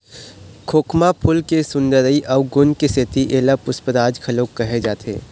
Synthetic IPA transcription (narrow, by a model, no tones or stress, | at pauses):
kʰoːkʰmapʰʊlkesʊ̃nd̪əɾəiʔɐɡʊnkeseːt̪iʔeːlapʊspəɾaːd͡ʒkʰɐloːkːɐɦed͡ʒaːt̪ʰḛː